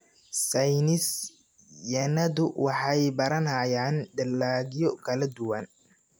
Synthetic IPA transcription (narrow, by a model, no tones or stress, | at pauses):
sɐjnɪs | jɐnɐðʊwɑħɑjbɐɾɐnɐjaːnɖ̪ɐlːaːɣjɔkʰɐlɐd̪ʊwɐn